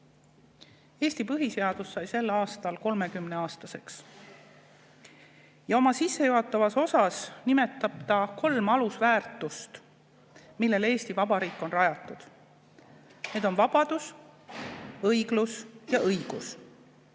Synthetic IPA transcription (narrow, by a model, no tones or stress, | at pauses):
e̞ːst̪ipɤɦise̞ɑd̪usːɑjse̞lːɑːst̪ɑlko̞lme̞kymneɑːst̪ɑse̞ks | jɑo̞mɑsisːe̞joɦɑt̪ːˑɑvɑso̞sɑsnime̞t̪ːˑɑb̥t̪ɑko̞lmɑlusvæːrt̪ːˑust̪ | milːe̞le̞ːst̪ivɑbɑɾiːkːˑo̞nrɑjɑt̪ˑːud̪̥ | ne̞ːd̪o̞nvɑb̥ɑd̪̥us | ɤjɡ̥lusjɑʔɤjɡ̥us